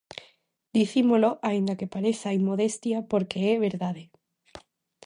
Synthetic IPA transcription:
d̪iθimoloʔaind̪akepaɾeθajmoð̞est̪japoɾkeeβeɾðaðe

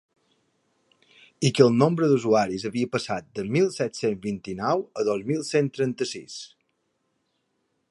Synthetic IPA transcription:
ikəlˠnombɾəðuzuaɾizəβiəpəsat̪̚d̪əmilˠsɛt̪senzβint̪inɔwəðozmilˠsent̪ɾənt̪əsḭs

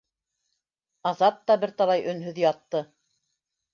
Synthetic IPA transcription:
ɑðɑt̚t̪ːɑbɘɾt̪ɑlˠɑjɵ̆nɦɵðjɑt̪ːɤ

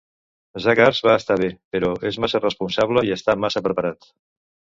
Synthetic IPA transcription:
zakaɾzβaːst̪aβ̞epəɾɔezmasərəspunsaβləiəst̪amasəpɾəpəɾat̪

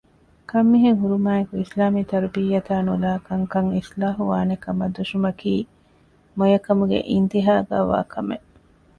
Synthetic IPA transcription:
kɐmːiɦeŋɦuɾumaːekuislaːmit̪ɐɾubijːɐt̪aːnulaːkɐŋkɐŋislaːɦuʋaːnekɐmɐd̪uʃumɐkiː | mojɐkɐmuɡḛʔint̪iɦaːɡa̰ːʋa̰ːkʰɐmeʔ

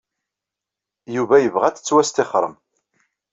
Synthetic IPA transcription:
juvæjəvʁæt͡sːə̥t͡sːwæst̪eχɾˤəm

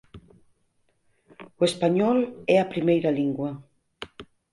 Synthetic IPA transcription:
uespaɲɔlɛapɾimejɾaliŋɡwa

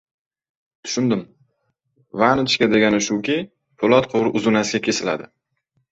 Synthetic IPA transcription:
t̪ʰʊ̥ʃʊnd̪ɪm | vanɪt͡ʃkʲad̪e̞ɡʲanɪʃʊkʲʰi | pʰʊlˠɒt̪qʰoɾɪʔʊzʊnasɡʲakʲʰe̞sɪla̰d̪ɪ

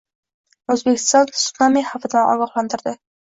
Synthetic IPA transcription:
ɵzbekʲʰɪ̥st̪ɒnsʊ̥namihafɪd̪anʔɒ̰ɡɒχlˠant̪ʰɪɾd̪ɪ

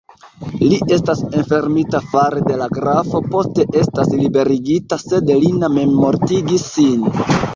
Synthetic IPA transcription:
liʔe̞stase̞nfe̞ɾmitafaɾede̞laɡɾafo̞po̞ste̞ʔe̞staslibe̞ɾiɡitase̞dliname̞mmo̞ɾtiɡisːin

